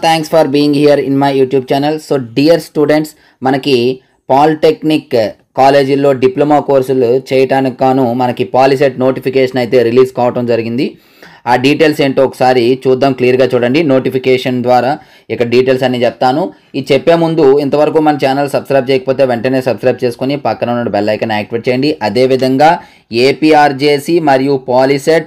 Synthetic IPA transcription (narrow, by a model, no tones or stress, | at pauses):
t̪ʰaːŋkspʰɐɾbiːjiŋɡɦijɐɾḭnmɐjjuːʈjuːb̚t͡ʃaːnɐlsoːɖiːjɐɾsʈuːɖe̞ɳʈs | mɐnɐki | paːlʈeknikː | aːle̞ːd͡ʒulːo̞ːɖiplɐmaːko̞ːɾsulut͡ʃɛːjɐʈaːnikaːnumɐnɐkipaːlis̬eʈ̚no̞ːʈipʰikeːʂɐnɐjt̪e̞ːɾiliːskaːʋɐʈɐmd͡ʒɐɾiɡind̪i | aːɖiːʈeːlseːɳʈeːɔkɐ̥saːɾit͡ʃuːd̪ːaːmklijɐɾɡaːt͡ʃuːɽɐɳɖino̞ːʈipʰikɛːʂɐnd̪ʋaːɾaː | ikːɐɽɐɖiːʈe̞ːlsɐnːiːt͡ʃɛp̚t̪aːnu | it͡ʃɛpːe̞ːmund̪uint̪ɐʋɐɾɐkuːmɐnɐmt͡ʃaːnɐlsɐbskɾɐjb̚t͡ʃɛːjɐkɐ̥poːt̪e̞ːʋeɳʈɐne̞ːsɐbskɾɐjb̚t͡ʃeːsu̥konipɐkːɐnɐnːɐɽubɛlːɐjkɐnaːk̚ʈiʋɐʈ̚t͡ʃɛːjɐɳɖiʔɐd̪e̞ːʋid̪ʱɐŋɡaː | eːpiaːɾt͡ʃe̞ːsimɐɾijupaːliseʈ̚